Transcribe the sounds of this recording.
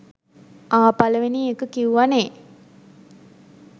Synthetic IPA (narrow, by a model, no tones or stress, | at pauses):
aːpaləʋeniːekəkiuʋane